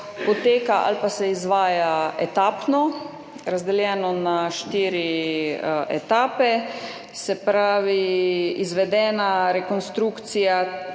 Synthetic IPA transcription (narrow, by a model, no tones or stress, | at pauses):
pɔt̪eːkaʔa̰lpasɛizʋaːjaɛt̪aːpnɔ | ɾazd̪ɛljɛːnɔnaʃt̪iːɾi | ɛ̰t̪aːpɛ | sɛpɾaːʋiizʋɛd̪ɛːnaɾɛkɔnst̪ɾuːkt̪sija